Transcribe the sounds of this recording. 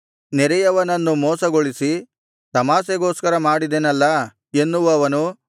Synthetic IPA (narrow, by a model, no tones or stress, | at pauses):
nɛɾɛjɐʋɐnɐnːumɔːsɐɡoɭisi | t̪ɐmaːseɡoːskɐɾɐmaːɽid̪enɐlːɐ | enːuʋuɐʋɐnu